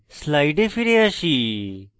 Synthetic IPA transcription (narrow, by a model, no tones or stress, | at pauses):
slaiɖefiɾeaɕi